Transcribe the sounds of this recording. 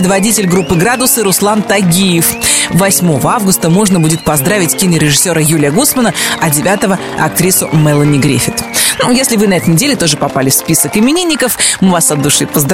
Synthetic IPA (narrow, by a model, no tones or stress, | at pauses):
ɪd̪vɐdʲitʲɪlʲɡɾupːɨɡɾad̪ʊsɨɾʊslˠant̪ɐɡʲijɪfvɐsʲmo̞vəavɡʊst̪əmo̞ʐnəbudʲɪt̪̚pɐzd̪ɾavʲɪtʲkʲinʲɪɾʲɪʐɨsʲːo̞ɾəjulʲɪjəɡusmənəɐdʲɪvʲat̪əvə | ɐ̰k̚t̪ɾʲisʊmɛlˠənʲɪɡɾʲḛfʲɪt̪nujesʲlʲɪvɨnɐɛt̪əɪjnʲɪdʲelʲɪt̪o̞ʐɨpɐpalʲɪfspʲisəkɪmʲɪnʲinʲːɪkəfmɨvasɐd̪ːʊʂɨpəzd̪ɾ